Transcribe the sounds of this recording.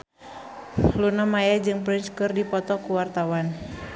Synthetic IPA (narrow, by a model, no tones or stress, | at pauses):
lunamajad͡ʒɨŋpɾinskɨrdipɔt̪ɔkuwart̪awan